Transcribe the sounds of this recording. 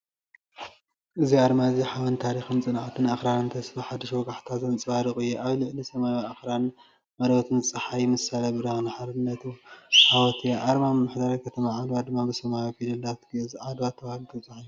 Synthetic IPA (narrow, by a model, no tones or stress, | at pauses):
ʔɨziaɾmaziħawɐnt̪ʰaɾixɨmt͡sʼɨnʕat̪ʰɨnʔaxɾanɨnt̪ʰɐsfɨħad̪ɨʃwɔɡaħt̪ʰazɐnt͡sʼɨwaɾɨkʼɨjːuʔaβlɨʕlisɐmajaxɾan | mɐlwɐt̪ʰɨnt͡sʼɨħajmɨsalɐbɨɾɐxnaħaɾɨnːɐt̪uħawɔt̪ʰiʔaɾmamɨmːaħd̪aɾakʰɐt̪ʰɐmaʕad̪wad̪ɨmːabɨsɐmajofilɐlat̪ɡzʕad̪wat̪ʰːɐβalt̪ʰɐt͡sʼɨħiju